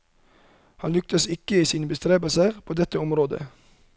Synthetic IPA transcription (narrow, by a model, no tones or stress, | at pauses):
hɑnlʏk̚t̪əsɪkəiːsiːnəbəst̪ɾeːbəlsəʁpʰoːd̪ɛt̪ːəɔmɾoːd̪ə̰